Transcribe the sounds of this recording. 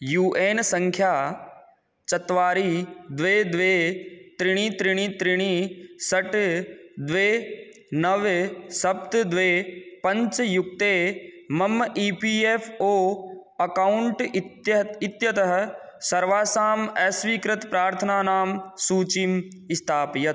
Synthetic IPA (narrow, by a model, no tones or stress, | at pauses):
juːʔeːnsɐ̃ŋkʰjaː | t͡ʃɐt̪ʋaːɾiːd̪ʋeːd̪ʋeːt̪ɾɪɽ̃ĩːt̪ɾɪɽ̃iːt̪ɾɪɽ̃iːsɐʈd̪ʋeː | nɐʋsɐp̚t̪d̪ʋeːpɐ̃ɲt͡ʃjʊk̚t̪eː | mɐmiːpiːeːfʰoːɐkaʊɳʈ | ɪt̪jɐt̪ɐɦsɐɾʋaːsaːmɛːsʋiːkɾɪt̪pɾaːɾt̪ʰənaːnaːmsuːt͡ʃim | ɪst̪ʰaːpjɐt̪